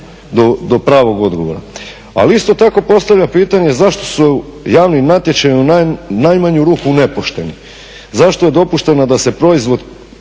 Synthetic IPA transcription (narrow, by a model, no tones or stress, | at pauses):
d̪od̪o̞pɾaːʋo̞ɡo̞d̪ɡo̞ʋoɾa̰ | a̰liist̪o̞t̪ako̞po̞st̪aʋʎʲapiːt̪aɲe̞zaʃt̪o̞sujaːʋnimnat̪je̞t͡ʃajunanajmaɲuɾuːkune̞poʃt̪e̞ni | zaʃt̪oje̞d̪o̞puʃt̪e̞nad̪ase̞pɾo̞izʋo̞d̪